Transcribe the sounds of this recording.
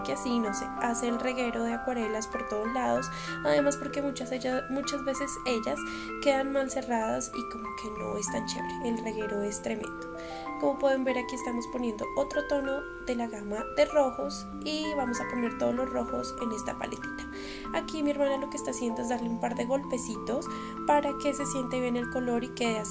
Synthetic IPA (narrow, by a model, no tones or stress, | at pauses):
keasino̞se̞aseːlreɣe̞ɾo̞ðeakwaɾe̞laspoɾt̪oð̞ozlaðo̞s | aðe̞maspo̞ɾke̞mut͡ʃaemut͡ʃazbe̞se̞se̞ʝas | ke̞ðanmalse̞raðasiko̞mokʰe̞no̞̰est̪ant͡ʃḛβɾeːlre̞ɣe̞ɾo̞e̞st̪ɾe̞mẽ̞̰nd̪̥o | ko̞mo̞pwe̞ðembe̞ɾakiest̪amospo̞nje̞nd̪oʔot̪ɾo̞t̪o̞no̞ | ðe̞laɣamaðe̞ro̞xo̞s | iβamo̞sapo̞ne̞ɾt̪oðolo̞ro̞xo̞se̞ne̞st̪apa̰let̪i̥t̪ḁ | akimieɾmanalo̞kest̪asje̞nd̪o̞e̞zd̪aɾleumpaɾðe̞ɣo̞lpe̞sit̪o̞s | paɾake̞se̞sje̞nt̪eβje̞ne̞lko̞lo̞ɾike̞ðea